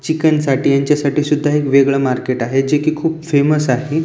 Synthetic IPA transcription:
t͡ɕikənsaʈiːjaɲt͡ɕjasaʈiːsud̪ʱːaekʋeɡɭəmaɾkeʈaɦed͡ʑekiːkʰuːpfeməsaɦe

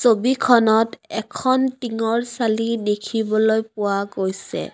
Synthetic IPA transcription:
sobikʰɔnɔtɛkʰɔntiŋɔɹsalidekʰibɔlojpʊwaɡojsɛ̰

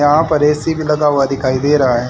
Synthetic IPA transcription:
ɐɦãpɐɾeːsibʱilɐɡaːʋad̪ɪkʰaːid̪eːɾɐɦaɦɛ̃ː

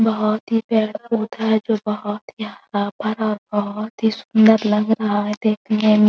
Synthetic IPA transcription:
bɐɦɔt̪ɦipɛːɽəɾud̪ʰʱaɦɛd͡ʒoːbɔɦɔt̪ɦiɦɐɾaːbʱəɾɔːɾbɔɦʊt̪ɦisʊnd̪əɾlə̃ŋɡɾɐɦaɦɛ̃d̪eːk̪̚ʰiɦɛ̃ːm

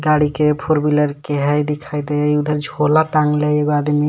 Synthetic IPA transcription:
ɡaɽikepʰoɾbiləɾkeɦɛjd̪ikʰajd̪eud̪ʱəɾd͡ʒʱolaʈaŋleeɡoad̪mi

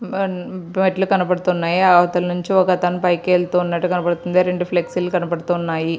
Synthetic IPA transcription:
meʈlukɐnɐpɐɽut̪uːnːaːjiaʋɐt̪ɐlɐnuɲt͡ʃiɔkɐt̪ɐnɐpɐjkeːlt̪uːunːɐʈːukɐnɐpɐɽut̪und̪eɾeɳɖupʰleksilukɐnɐpɐɽt̪uːnːaːji

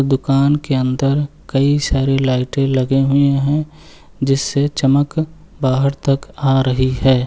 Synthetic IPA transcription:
d̪ʊkaːnkeɐ̃nd̪əɾkɐisaːɾelaːɪʈẽlɐɡeɦʊeɦɛ̃ | d͡ʒɪsːet͡ʃɐmək | baːɦəɾt̪ɐkaːɾɐɦiɦɛː

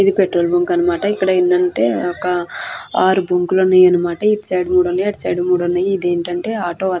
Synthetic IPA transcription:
id̪ipeʈɾoːlbuŋkɐnːɐmaːʈɐikːɐɽɐinːɐɳʈe̞̰ːɔkɐaːɾubuŋkulɐnːaːjɐnːɐmaːʈɐiʈt͡ʃɐjɽmuːɽunːajɐʈt͡ʃɐ̰jɽumuːɽɐnːaːjid̪e̞ːɳʈɐɳʈe̞ːaːʈoːɐ

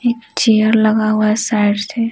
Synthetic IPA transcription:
eːk̚t͡ʃejəɾləɡaɦʊasaɪɖt̪ʰe

